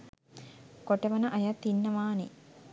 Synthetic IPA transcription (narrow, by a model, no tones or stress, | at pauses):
koʈɐʋɐnɐʔɐjɐt̪ːinːɐʋaːnḭ